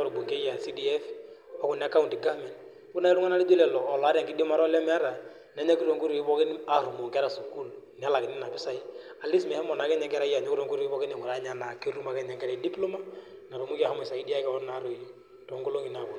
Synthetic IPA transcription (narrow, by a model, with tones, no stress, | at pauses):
ɔ˦ɾʊ˨bu˨ŋke˦ja˨si˦di˨ɛ˦fɔ˦kʊ˦˨n˨a˦ka˦u˨ndi˨ɡa˦mɛ˨nd | kʊ˦na˦i˦ɾu˦ŋa˦na˦li˦d͡ʒo˦lɛ˨lɔː˨lɔ˨a˦ɾa˨ŋkɪ˦di˦o˦ma˦ɾɔ˦lɛ˦mɛ˦a˦ɾa˨ | na˦ɲa˦ki˦ɾo˨ŋku˦ɾi˨kɪ˦pɔ˦kɪ˦n˦a˨ɾu˨mu˨ŋkɛ˦ɾa˨su˦ku˦lnɪ˨a˦la˨kɪ˨nɪ˦na˨pɪ˦sa˦i˦a˨li˦smɛ˨hɛ˦mɔ˨na˨kɛ˦ɲɛ˨ŋkɛ˦ɾa˦ja˨ɲɔ˦ki˦ɾo˦ŋɡu˦ɾu˨kɪ˦pɔ˦knɛ˨ŋʊ˨ɾa˨˦ɲa˦na˨ki˦ɾu˦ma˨kɛ˦ɲa˨ŋkɛ˦ɾɛ˨˦di˦plo˦ma˦na˨ɾu˨mu˦ki˦a˦ha˦mʊ˨sa˨ki˦di˦a˦kɛ˦ɔ˦na˨˦ɾo˨ | tɔ˨ŋɡo˦lo˦ŋi˨na˨kʊ˦